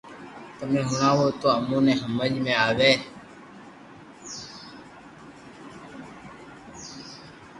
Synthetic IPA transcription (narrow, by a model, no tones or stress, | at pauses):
t̪əmẽːɦʊɳãːwoːt̪oːəmũːnẽːɦəməʎmẽaːʋeː